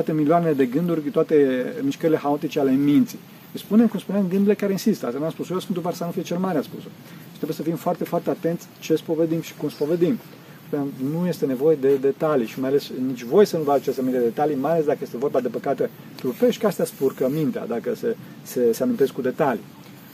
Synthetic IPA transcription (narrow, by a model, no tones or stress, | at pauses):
t̪at̪e̞milioaneled̪e̞ɡɨnd̪urʲt̪oat̪e̞miʃkəɾile̞xaot̪it͡ʃeale̞mint̪si | spune̞mkumspuneamɡɨnd̪uɾilekaɾeinsist̪əa̰st̪anamspusojeosfɨnt̪upaɾsanufijet͡ʃe̞lmaɾeaspṵso | t̪ɾebjesəfimfoart̪e̞foart̪eat̪e̞nt̪sʲt͡ʃe̞spo̞ved̪imʃi̥kumspoved̪im | spunamnuje̞st̪e̞ne̞vo̞je̞d̪e̞d̪e̞t̪aliʃimajale̞snit͡ʃʲvo̞jsənuvaɡ̪at͡ʃest̪amineed̪et̪alimajalesd̪akəje̞st̪evo̞rbad̪e̞pəkat̪e̞ | t̪ɾupeʃt̪kast̪jaspurkəmint̪ea̰d̪akəse | se̞seamint̪e̞skud̪e̞t̪alḭ